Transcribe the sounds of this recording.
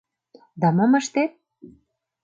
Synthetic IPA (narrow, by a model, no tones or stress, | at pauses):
d̪ɑməməʃt̪et̪̚